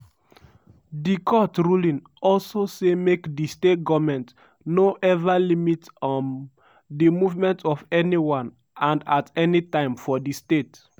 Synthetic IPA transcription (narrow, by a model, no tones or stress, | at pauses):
dikʰɔtɹulĩn | ɔlsosemekdistet̚ɡɔvmɛ̃nt | noʔɛvalimitɔn | dimuvmɛ̃ntʰɔfɛniwãn | ãndatɛnitãɪ̃mfɔdistet